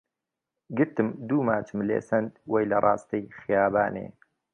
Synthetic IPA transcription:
ɡɨɾt̪ɨmd̪uːmaːt͡ʃɨmlḛːsɐnd̪wejlɐrˤʔɑːst̪ɨjxɪjaːbaːnḛː

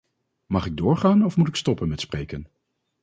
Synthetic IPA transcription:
mɑχɪɡ̚dʊːɹχaːnɔfmutɪkstɔpənmɛtsprejkən

